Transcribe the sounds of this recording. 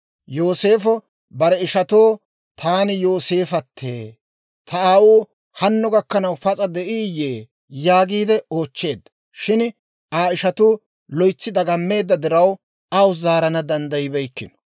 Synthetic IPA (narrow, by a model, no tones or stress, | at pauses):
jo̞ːse̞ːfɔ | bɐɾɛɪʃɐt̪oː | t̪ʰaːnɪjo̞ːse̞ːfɐt̪ʰːḛː | t̪ʰɐaːwuː | hɐnːɔɡɐkːɐnɐwpɐt͡sʼɐd̪ɛʔiːjeː | jaːɡiːd̪ɛo̞ːt͡ʃːe̞ːd̪ːɐ̥ | ʃɪn | aːɪʃɐt̪ʊ | lɔjt͡sːɪd̪ɐɡɐmːe̞ːd̪ːɐd̪ɪɾɐw | ʔawzaːɾɐnɐd̪ɐnd̪ɐjɪbɛjkːɪ̰nɔ̥